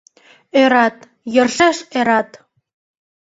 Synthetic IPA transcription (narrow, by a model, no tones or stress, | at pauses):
øɾɑt̪ | jɤ̆rʃeʃeɾɑt̪